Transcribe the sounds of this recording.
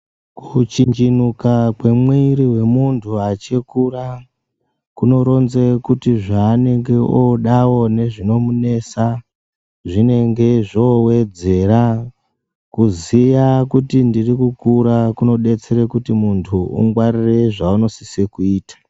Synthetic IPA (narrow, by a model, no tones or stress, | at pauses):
kut͡ʃiɲd͡ʒinukakwe̞mwiiriwe̞muntʰuat͡ʃekura | kuno̞ɾo̞nzekutiʐaːne̞ŋɡe̞ʔoɗawo̞ne̞ʐino̞mune̞sa | ʐine̞ŋɡe̞ʐowe̞d͡ze̞ra | kuzijakutindirikukuɾakuno̞ɗe̞t͡se̞ɾekutimuntʰuṵŋɡwarire̞ʐauno̞sisekuiːtḁ